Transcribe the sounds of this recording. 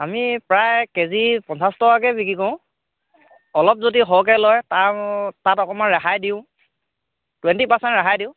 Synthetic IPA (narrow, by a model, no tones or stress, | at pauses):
amipɹajkezipɔ̃nsastɔwakɛbikikɔ̃ʊ̃ | ɔlɔp̚zodiɦɔwk̬ɛlɔjtatatɔkɔmanɹaxajdiʊ̃ | twɛntipasɛntɹaajdiʊ̃